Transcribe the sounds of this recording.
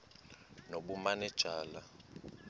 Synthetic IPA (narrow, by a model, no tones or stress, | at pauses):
noɓumanɛd̥ʒ̥ʱaːla